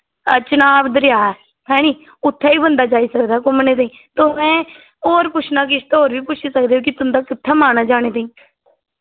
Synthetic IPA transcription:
ət͡ʃənaːbd̪əɾjaː | hɛ̃ːñiː | ʊt̪ʰːaːiːbənd̪aːd͡ʒaːiːsəkd̪aːkʊmneːt̪aĩː | t̪oːmɛ̃ː | oːɾpʊt͡ʃʰnaːkɪʃʰt̪ːɦoːɾʋiːpʊt͡ʃʰiːsək̚d̪eːɦõːkɪt̪ʊnd̪aːkɪt̪ʰːaːmaːnaːd͡ʒaːɽ̃eːt̪ːĩː

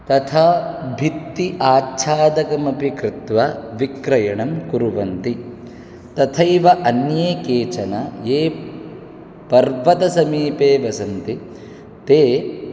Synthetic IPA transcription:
t̪ɐt̪ʰɐbʱit̪ːiʔaːt͡ʃʰaːd̪ɐkɐmɐpikɾɪt̪ʋɐʋikɾɐjɐɳɐmkuɾuʋɐnt̪i | t̪ɐt̪ʰɐjiʋɐʔɐnjeːkeːt͡ʃɐnɐjeː | pɐɾʋɐt̪ɐsɐmiːpeːʋɐsɐnt̪i | t̪eː

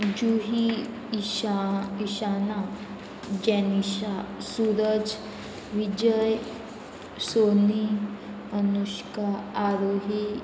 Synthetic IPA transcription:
d͡ʒuɦi | ʃiʃaːna | d͡ʒɛniʃasuːɾəd͡ʒ | ʋid͡ʒəj | soːni | ənuʃkaaːɾoːɦi

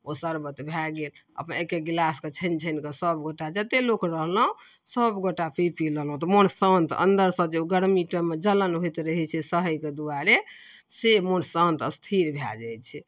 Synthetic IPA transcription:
osəɾbət̪bʱaɡelə̰pnekeɡlasket͡ʃʰənt͡ʃʰənkəsəbɡoʈad͡ʒat̪elokɾəɦlɦũ | səbɡoʈapʰipʰiɾəɦlɦũt̪ɔmonsənt̪ʰə̰nd̪əɾsə̃d͡ʒeuɡəɽmiʈəmed͡ʒələnɦojt̪ɾəɦɛt͡ʃʰɛsəɦəjked̪uaɾe | semonsə̃nt̪ʰəst̪ʰiɾbʱja̰d͡ʒaj̪t͡ʃʰɛ

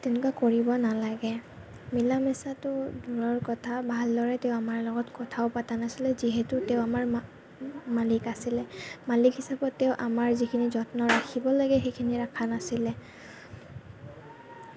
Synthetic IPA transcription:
tɛʊnʊkakoɹibɔnalaɡɛ | milamɛsatʊdʱuɹɔɹkɔtʰabʱaldɔɹɛtɛʊamaɹlɔɡɔtkɔtʰaʊpatanasilɛziɦɛtʊtɛʊamaɹ | malikasilɛmalikhisapɔtːɛʊʔamaɹzikʰinizɔtnɔɹaxʰibɔlaɡɛxejkʰiniɹakʰanasilɛ

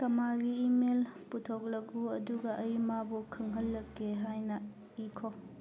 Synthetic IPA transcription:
tɐmaɡiːmelputʰok̚lɐkuɐduɡɐʔɐjmabukʰɐŋɦɐlːɐkːeɦajnɐ | ikʰo

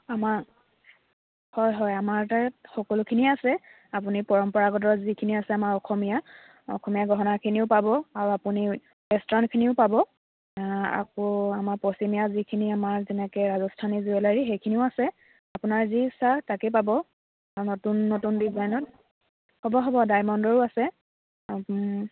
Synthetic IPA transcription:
amaɹ | hɔjɦɔjamaɹtaxɔkɔlʊkʰiniasɛ | apunipɔɹɔmpɔɹaɡɔt̬ɔɹzikʰiniasɛamaɹɔxɔmija | ɔ̰xʰɔmijaɡɔɦɔnakʰiniʊpabɔaɹuapuni | ɛstɔnkʰiniʊpabɔ | a̰kɔamaɹpɔsimijazikʰiniamaɹzɛnɛkɛɹazɔstʰanizuɛlaɹixejkʰiniʊasɛ | apunaɹzisatakɛpabɔ | aɹunɔtunːotundizajnɔt̚ | hɔbɔɦɔbɔdajmɔndɔɹʊasɛ

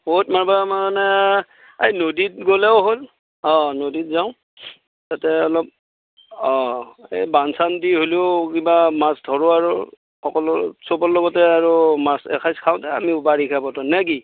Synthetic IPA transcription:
bot̚mabamanɛ | ejnodit̚ɡolɛʊɦol | ɔ̃nodit̚zaʊ̃ | tatɛɔlɔp̚ | ɔ̃ḛbansandiɦoliʊkibamasdʱɔɹʊaɹʊ | xɔkɔlɔsopɔlːɔɡɔtɛaɹumasɛ̰kʰajskʰaʊ̃tɛa̰mibaɹikʰabɔtɔnɛki

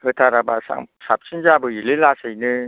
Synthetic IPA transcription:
hət̪ʰaɾabasa̰ŋsap̚sinzabəjililasəjnɯ

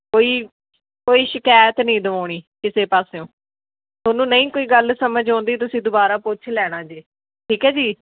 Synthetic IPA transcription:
koːiː | koːiːʃɪkaːjət̪nĩːd̪əʋoːɽ̃iːkɪseːpaːsejõː | t̪onũːnəĩːkoːiːɡəlsəməd͡ʒɔ̃ːnd̪iːt̪̬ʊsĩːd̪ʊbaːɾaːpʊːt͡ʃʰlɛːɽ̃ãːd͡ʒeː | ʈʰiːkɦɛːd͡ʒiː

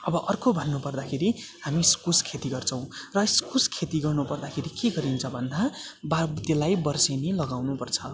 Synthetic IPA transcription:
ʌbʌʔʌrkobʱʌnːupʌrd̪akʰeɾiɦamiskuskʰet̪iɡʌrt͡sʰʌw̃rʌskuskʰet̪iɡʌrnupʌrd̪akʰeɾikeɡʌɾint͡sʰʌbʱʌnd̪ababt̪elajbʌrsenelʌɡawnupʌrt͡sʰʌ

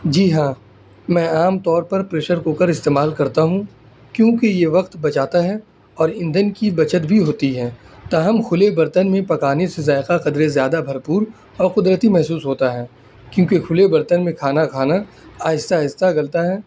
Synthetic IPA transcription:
d͡ʒiːɦãː | mɛ̃ːaːmt̪ɔːɾpɐɾpɾeːʃəɾkoːkəɾɪst̪eːmaːlkɐɾt̪aɦũ | kjõːkejeʋɐqt̪bɐt͡ʃaːt̪aɦɛː | ɔːɾɪ̃nd̪ənkibɐt͡ʃət̪bʱiɦoːt̪iɦɛː | t̪aːɦəmxʰʊlebɐɾt̪ənmẽpɐkaːnesezaːɪqaqɐd̪ɾezjaːd̪abʱɐɾpuːɾ | ɔːɾqʊd̪ɾət̪imɛɦsuːsɦoːt̪aɦɛː | kjõːkekʰʊlebɐɾt̪ənmẽkʰaːnakʰaːna | aːjɪst̪aɦɪst̪aɡɐlt̪aɦɛː

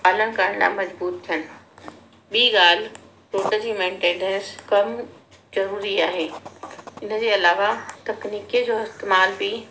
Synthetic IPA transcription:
aːləñ̆kɐɾəɽ̃la̰ːmɐzbuːt̪t̪ʰijənɪ̆ | ɓiːɡaːl̤ɪ | ɾoːʈəd͡ʑiːmẽːɳʈẽːɳɖə̃nskɐm | zɐɾuːɾiaːɦeː | ɪnə̆d͡ʑeːɐlaːʋat̪ɐkniːkid͡ʑoːɪst̪eːmaːlbi

